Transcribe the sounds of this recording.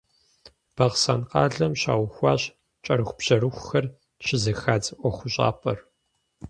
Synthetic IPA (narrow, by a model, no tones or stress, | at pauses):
b̥ɐʁsaːnqɑ̰ːɮɐmɕa̰ːwʊxʷɑːɕ | t͡ʃʼɐɾɨxʷʊpɕɐɾɨxʷʊxɐr | ʃʰɪzɨxaːd͡zʔʷɔxʷʊɕʼa̰ːpʰʼɐr